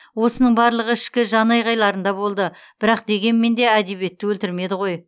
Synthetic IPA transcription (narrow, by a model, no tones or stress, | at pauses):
wo̞sənəɴbɑɾlˠəʁəɪʃkʲɪʒɑnɑjʁɑjlˠɑɾənd̪ɑbo̞lˠd̪əb̥ɪɾɑq̚d̪e̞ɡʲe̞nme̞nd̪e̞æd̪e̞βe̞t̪ːɪwɵlt̪ɪɾme̞d̪ɪʁo̞j